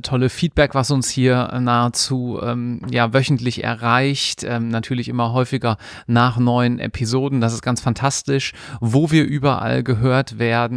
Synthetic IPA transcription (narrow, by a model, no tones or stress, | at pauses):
tʰɔləfiːt̚b̥ɛkv̥asʊnshiːɐnaːət͡suːʔɛ̰ːmjaːvœçn̩tʰlɪçɛ̰ɐʁaɪçtʔɛːmnatʰyːɐlɪçʔɪmɐɦɔʏfɪɡɐ | naːχnɔʏənʔɛ̰pʰizoːdn̩d̥as̬ɪst̚ɡ̥ansfantʰastɪʃ | voːviːɐʔyːbɐʔa̰lɡəɦøːɐtv̥eːɐdn̩